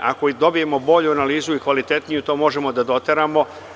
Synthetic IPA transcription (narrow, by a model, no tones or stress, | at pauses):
ʔa̰kod̪o̞bije̞mo̞bo̞ʎuanaliːzuikʋalit̪e̞t̪nijut̪o̞ːmo̞ʒe̞mo̞d̪ad̪o̞t̪eɾaːmo̞